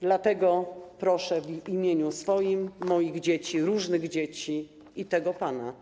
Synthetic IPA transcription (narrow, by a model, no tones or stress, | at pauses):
d̪lat̪ɛɡɔpɾɔʂɛvimʲjeɲusfɔjimːɔjiɣd͡ʑet͡ɕiɾuʐnɘɣd͡ʑet͡ɕi | it̪ɛɡɔpana